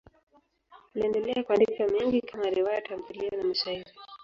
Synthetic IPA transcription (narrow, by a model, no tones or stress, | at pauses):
unaɛndɛlɛakwandikamiŋɡikʰamaɾiwajatamzulianamisaini